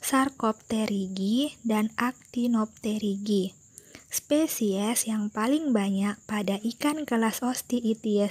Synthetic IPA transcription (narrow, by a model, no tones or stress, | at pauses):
sarkɔp̚t̪ɛɾiɡidanak̚t̪inɔp̚t̪ɛɾiɡi | spesiɛsjaŋpalɪŋbaɲak̚padaʔikankəlasɔst̪iːt̪iɛ